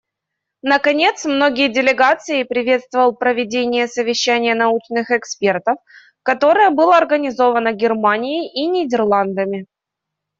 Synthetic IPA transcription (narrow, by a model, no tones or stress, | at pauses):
nəkɐnʲe̞t̪smno̞ɡʲɪjədʲɪlʲɪɡat̪sɨɪpɾʲɪvʲe̞t̪st̪vəvəlˠpɾəvʲɪdʲenʲɪjəsəvʲɪɕːænʲɪjənɐut͡ɕnɨxɛkspʲe̞rt̪əf | kɐt̪o̞ɾɨjəbɨlˠəɐrɡənʲɪzo̞vənəɡʲɪrmanʲɪɪʔinʲɪdʲɪrlˠand̪əmʲɪ